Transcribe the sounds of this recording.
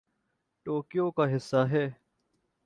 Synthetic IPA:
ʈoːkɪjoːkaːɦɪsːaːɦɛː

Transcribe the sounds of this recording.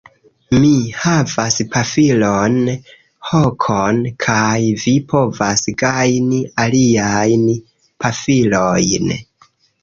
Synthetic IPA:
mihavaspʰafilon | hokʰonkʰajvipʰo̞vasɡajnialiajn | pʰafilojn

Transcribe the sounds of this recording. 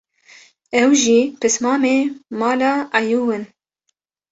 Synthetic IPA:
ɛwʒipɨsmɑːmeːmɑːlɑːʔɑjuːwɨn

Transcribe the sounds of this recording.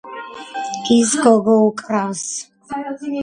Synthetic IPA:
izɡɔɡɔukʼɾaws

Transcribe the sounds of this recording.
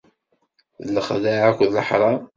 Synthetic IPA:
lːəχðaʕækʷðləħɾˤɑ

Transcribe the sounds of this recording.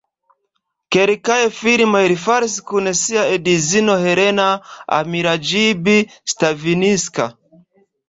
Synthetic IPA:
kɛɾikaɛfiɾimaɛɾifaɾsi̥kunɛsiaɛdizinɔhɛɾɛnaa̰miɾad͡ʒibistaviniska

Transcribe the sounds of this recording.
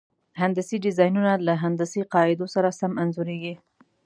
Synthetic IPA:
ɦand̪asiɖɪzɑjnunalaɦand̪asiqɑɪd̪osaɾasamanzuɾeɡi

